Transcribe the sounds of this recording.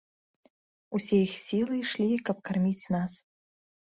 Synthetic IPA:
usʲejixsʲilˠɨjʂlʲikɐp̚karmʲit͡sʲnas

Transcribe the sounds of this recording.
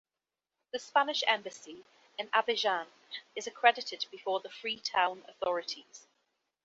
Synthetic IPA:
ðəspanɪʃɛ̰̃mbəsi | ɪ̃nabɪʒɑ̃n | ɪzəkʰɹ̥ɛdɪtʰɪd̚bɪfɔːðəfɹiːtʰãʊ̃nə̰θɒɹɪtʰiz̥

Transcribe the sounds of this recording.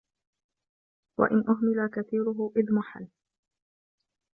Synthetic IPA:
wa̰ʔɪnʔʊɦmɪlakaθiːɾʊɦʊʔɪðmʊħa̰l

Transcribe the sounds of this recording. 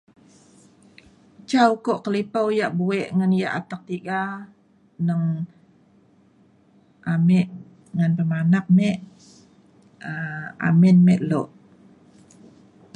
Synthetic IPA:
t͡ʃaukoʔkəlipawjaʔbuɛʔŋanjaʔat̪ak̚t̪iɡa | nəŋ | ʔamɛʔ | ŋanpəmanap̚mɛʔ | əa̰mɛnmɛʔloʔ

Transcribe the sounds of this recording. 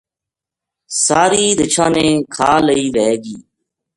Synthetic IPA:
saːɾiːd̪ɪt͡ʃʰãːnẽːkʰaːləiːʋeːɡiː

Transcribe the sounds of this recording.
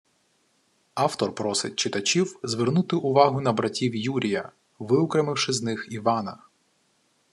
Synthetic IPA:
ɑwt̪ɔrpɾɔsɪt̚ʲt͡ʃɪt̪ɐt͡ʃʲiwzʋernut̪ɪʔʊʋɑɦʊnɐbɾɐtʲiwjuɾʲijɐ | ʋɪʊkɾemɪwʃɪznɪxiʋɑnɐ

